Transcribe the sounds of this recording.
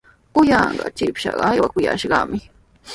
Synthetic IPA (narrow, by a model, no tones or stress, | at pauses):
ʊjɑɴɢɑt͡ʃɪpʃɑɢɑːjwakʊjaʃɢɑmɪ